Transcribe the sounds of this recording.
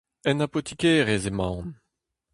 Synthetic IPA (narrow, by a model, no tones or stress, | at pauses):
ɛnapot̪ikeːʁezemɑ̃wn